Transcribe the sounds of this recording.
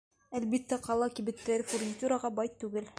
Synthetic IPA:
ælbit̪ːæqɑlˠɑkibɘ̆t̪ːæɾɘfurnʲit̪ʲuɾɑʁɑbɑjt̪ːʉɡɘl

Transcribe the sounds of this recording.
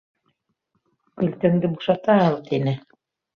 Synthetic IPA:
kɵlt̪ɵ̆ŋd̪ɘbuʃɑt̪ɑɑlˠt̪ʰinɘ

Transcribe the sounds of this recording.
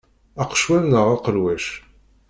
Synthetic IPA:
æqʃwænːəʁɑqəɾwæʃ

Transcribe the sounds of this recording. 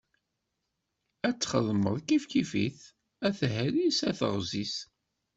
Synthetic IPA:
æt͡sːχəðˤmə̰ðˤkifkifḭθ | æθhæɾisæθə̰ʁzis

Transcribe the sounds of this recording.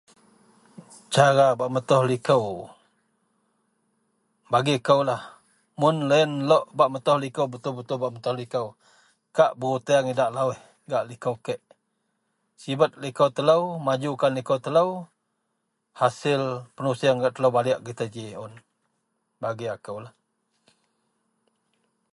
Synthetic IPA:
t͡ʃaɾabaʔmət̪ɔhlikəw | baɡiakəwlah | mʊnləənlɔʔbaʔmət̪ɔhlikəwbət̪ʊlbət̪ʊlbaʔmət̪ɔhlikəw | kaʔbəɾut̪iaŋidaʔlawɪh | ɡaʔlikəwkəʔ | sibət̪̚likəwt̪ələwmad͡ʒukanlikəwt̪ələw | hasɪlpənusiaŋɡaʔt̪ələwbaliaʔɡət̪əd͡ʒiʊn | baɡiakəwlah

